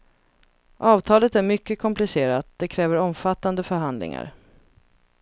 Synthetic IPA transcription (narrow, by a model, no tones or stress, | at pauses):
ʔɑːvt̪ʰɑːlət̪æɾmʏkːəkʰɔmplɪseːɾat̪̚d̪̥ɛkʰɾɛːvəɾɔmfat̪ːand̪əfœɾɦand̪lɪ̰ŋa̰ɾ